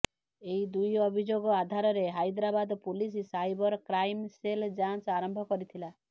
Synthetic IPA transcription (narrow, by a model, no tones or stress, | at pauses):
eid̪ujɔbʱid͡ʒoɡɔad̪ʱaɾɔɾeɦajd̪ɾabad̪ɔpulis̬isajbɔɾkɾajmseld͡ʒansaɾɔmbʱɔkɔɾit̪ʰila